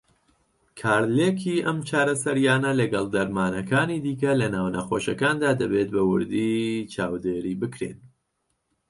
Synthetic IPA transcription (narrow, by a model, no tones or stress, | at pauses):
kʰaːɾleːkʰiːɐmt͡ʃʰaːɾɐsɐɾjaːnɐlɐɡɐlˠd̪ɐɾmaːnɐkaːnid̪iːkɐlɐnaːwnɐxoːʃɐkaːnd̪aːd̪ɐbet̪̚bɐwʊ̰ɾd̪iːt͡ʃʰaːwd̪eːɾiːbɨkɾḛn